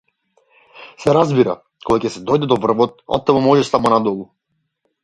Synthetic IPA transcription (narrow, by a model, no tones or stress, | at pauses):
sɛɾazbiɾa̰ | kʰɔɡacɛsɛd̪ɔjd̪ɛd̪ɔvr̩vɔt̪̚ɔ̰t̪ːɛmɔmɔʒɛsamɔnad̪ɔlˠu